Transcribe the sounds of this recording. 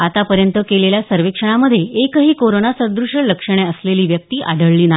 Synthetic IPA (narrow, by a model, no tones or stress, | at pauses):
at̪apəɾjənt̪əkeleljasəɾʋekʂəɳ̃aməd̪ʱːjeekəɦiːkoɾonasəɾd̪ɾuʂələkʂəɳ̃eəsleliːʋjək̚t̪iːʔa̰ɽəɭːiːna